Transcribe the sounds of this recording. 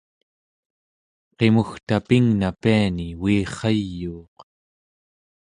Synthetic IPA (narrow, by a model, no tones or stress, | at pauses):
qe̞muxt̪apiŋnapianiwiːχɑjːuːq